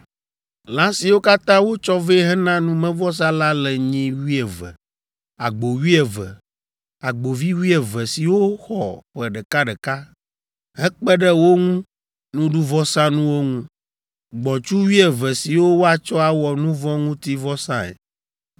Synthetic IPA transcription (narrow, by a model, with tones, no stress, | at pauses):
lã˦si˨wo˦ka˦t̪ã˦wo˦t͡ʃɔ˦ve˦ɦɛ˦nã˦nũ˦mɛ̃˦vɔ˦s̬ã˦la˦lɛ˨ɲĩ˦wi˦ɛ˨vɛ̰˨ | a˨ɡ͡bo˨wi˦ɛ˨vɛ˨ | a˨ɡ͡bo˨vi˦wi˦e˨vɛ˨si˨wo˦xɔ˨ɸɛ˨ɖɛ˨ka˦ɖɛ˨ka˦ | ɦɛ˦k͡pɛ˦ɖɛ˦wo˦ŋũ˦ | nũ˦ɖu˦vɔ˦sã˦nũ˦wo˦ŋũ˦ | ɡ͡bɔ̃˨t͡ʃu˦wi˦ɛ˨vɛ˨si˨wo˦wo˦a˨t͡ʃɔ˦a˨wɔ˨nũ˦vɔ̃˦ŋũ˦t̪i˦vɔ˦sã˦ḛ˨